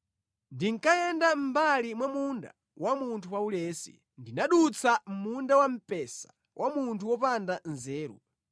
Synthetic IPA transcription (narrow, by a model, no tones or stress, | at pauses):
ndiŋkajɛndam̩balimwamunda̰ | wʔamuntʰuwaulɛːsḭ | ndinaɗut͡sʰam̩mundawam̩pɛsḁ | wʔamuntʰuwɔpandanzɛːɾṵ